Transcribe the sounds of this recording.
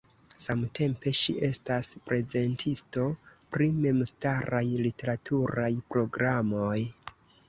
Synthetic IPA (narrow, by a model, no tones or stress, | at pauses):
samte̞mpe̞ʃḭʔe̞staspɾe̞ze̞ntʰisto̞pɾime̞mstaɾajlite̞ɾatʰuɾajpɾo̞ɡɾamo̞j